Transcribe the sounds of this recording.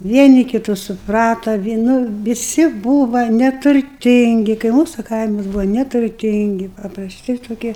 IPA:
ˈʋʲiɛnʲɪ kʲɪˈtʊs sʊˈprɑːtɐ ʋʲiɛ nʊ ʋʲɪˈsʲɪ ˈbuːʋɐ nʲɛtʊrʲˈtʲɪŋʲɡʲɪ kɐɪ ˈmuːsʊ ˈkɐɪmɐs ˈbuːʋoː nʲɛtʊrʲˈtʲɪŋʲɡʲɪ pɐprɐsʲˈtʲɪ toːˈkʲiɛ

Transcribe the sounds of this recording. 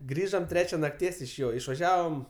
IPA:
ˈɡrʲiːʒoːm ˈtʲrʲæːt͡ʃʲɛ nɐkˈtʲiɛs ɪʃ ˈjoː ɪʃʋɐˈʒʲæːʋoːm

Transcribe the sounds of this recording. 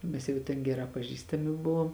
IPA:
ˈmʲɛs jɛʊ tʲɛn ˈɡʲæːˌrɑː pɐˈʒʲiːstɐmʲɪ ˈbʊʋoːm

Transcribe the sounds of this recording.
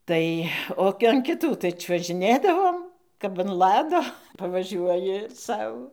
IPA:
ˈtɐɪ ˈoː ɐn kʲɪˈtuː tɐɪ t͡ʃʲuɔʒʲɪˈnʲeːdɐʋoːm kɐp ɐn ˈlˠɑːdoː pɐʋɐˈʒʲuɔjɪ ˈsɐʊ

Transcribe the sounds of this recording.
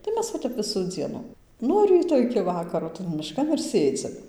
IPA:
tɐɪ ˈmʲɛs ʋɐ ˈtʲɛp ˈʋʲɪsuː ˈd͡zʲiɛnʊ ˈnuɔ rʲiːtoː ɪkʲɪ ʋɐˈkɑːroː tɐn mʲɪˈʃkɐn ɪr ˈsʲeːd͡zʲɪm

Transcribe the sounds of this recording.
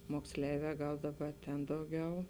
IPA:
moːksʲˈlʲɛɪʋʲɛː ˈɡɐlˠ ˈdɑːˌbɐ tʲɛn ˈdɐʊˌɡʲɛʊ

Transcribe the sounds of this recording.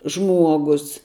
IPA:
ˈʒmuɔɡʊs

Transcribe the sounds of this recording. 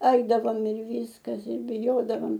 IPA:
ˈɐɪdɐʋoːm ɪr ˈʋʲiːskɐs ɪr bʲɪˈjoːdɐʋɐm

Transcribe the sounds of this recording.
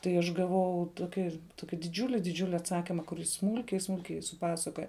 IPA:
tɐɪ ˈɐʃ ɡɐˈʋɐʊ ˈtoːkʲɪ ˈtoːkʲɪ dʲɪˈd͡ʒʲʊlʲɪ dʲɪˈd͡ʒʲʊlʲɪ ɐtˈsɑːkʲiːmɐ kʊr ˈjɪs ˈsmuːlʲkʲɛɪ ˈsmuːlʲkʲɛɪ sʊˈpɑːsɐkoːjɛ

